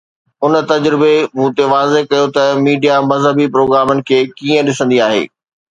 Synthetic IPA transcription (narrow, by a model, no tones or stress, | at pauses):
ʊnt̪ɐd͡ʑɾɪbemũːt̪eʋaːzeɦkɐjot̪ɐmiːɖijamɐzɦəbipɾoːɡɾaːmʊnɪ̆kʰeːkiːə̃ɗɪsə̃nd̪iaːɦḛː